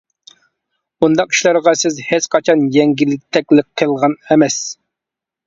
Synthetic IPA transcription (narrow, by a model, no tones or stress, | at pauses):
bund̪ɑqi̥ʃlæɾʁɑsɪzhet͡ʃqʰɑt͡ʃʰɑnjɛŋɡʲilːɪk̚ʲt̪ʰɛkʲlɪk̚qʰːəlˠʁɑnɛmɛs